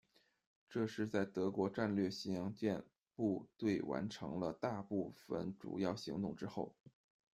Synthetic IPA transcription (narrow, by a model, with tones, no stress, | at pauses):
ʈ͡ʂɤ˥˧ʂɻ̩˥˧t͡sa˥˩ɪt̪ɤ˧˥kwɔ˧˥ʈ͡ʂa˥˧nlɥɛ˥˩ɕi˧i˥jɑ˧˥ŋt͡ɕjɛ˥˧n | pu˥˧t̪we˥˩ɪwa̰˧˥nʈ͡ʂʰɤ̰˧˥ŋlə˧t̪a˥˧pu˥˩fə̰˨˩nʈ͡ʂṵ˨˩jɑ˥˩ʊɕi˧˥ŋt̪ʊ˥˩ŋʈ͡ʂɻ̩˥xo˥˩ʊ